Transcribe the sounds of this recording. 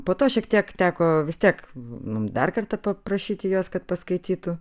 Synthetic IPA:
poːt̪oːʃʲiɛkt̪ʲiɛkt̪ʲæːkoːʋʲɪst̪ʲiɛkmʊmd̪ɐrkɐrt̪ɐpɐpɾɐʃʲiːt̪ʲɪjoːskɐt̪pɐskɐɪt̪ʲiːt̪ʊ

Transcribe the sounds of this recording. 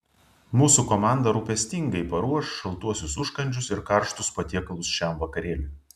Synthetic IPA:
muːsukomɑˑnd̪ɐɾuːpʲɛsʲt̪ʲɪŋɡɐɪpɐɾuɔʃʃɐlˠt̪uɔsʲʊsʊʃkɐnʲd͡ʒʲʊsɪɾkɐɾʃt̪ʊspɐt̪ʲiɛkɐlˠʊsʃʲæˑmʋɐkɐɾʲeːlʲʊ

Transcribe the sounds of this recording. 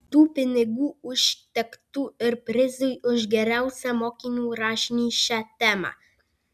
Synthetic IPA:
t̪upɪnɛɡuuʃt̪ɛkt̪uəɾpɾezujəʒɡɛɾɛwsɛmɔkinuɾaʃnʲiʃɛt̪ɛma̰

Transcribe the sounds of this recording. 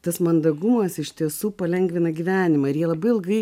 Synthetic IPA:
t̪ɐsmɐnd̪ɐɡʊmɐsɪʃt̪ʲiɛsuːpɐlʲɛŋʲɡʋʲɪnɐɡʲiʋʲæːnʲɪmɐːɪɾjiɛlˠɐbɐɪɪlˠɡɐɪ

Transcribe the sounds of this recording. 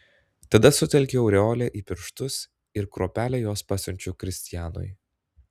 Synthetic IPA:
t̪ɐd̪ɐsʊt̪ʲɛlʲkʲeɒʊɾʲɛoːlʲɛʔiːpʲɪɾʃt̪ʊs | ɪɾkɾoːpʲæːlʲɛːjoːspɑːsʲʊnʲt͡ʃʲʊkɾʲɪsʲt̪ʲɪjæːno̰ːj

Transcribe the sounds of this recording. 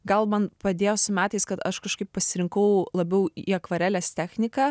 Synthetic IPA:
ɡɐlˠmɐnpɾɐd̪ʲeːjoːsʊmʲæːt̪ɐɪskɐt̪ɐʃkɐʃkɐɪp̚pɐsʲɪɾʲɪŋkɐʊlˠɐbʲɛʊiɐkʋɐɾʲæːlʲæːst̪ʲæːxʲnʲɪkɑː

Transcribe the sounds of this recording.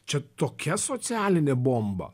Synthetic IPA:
t͡ʃʲɛt̪oːkʲɛsosʲæːlʲɪnʲebombɐ̰

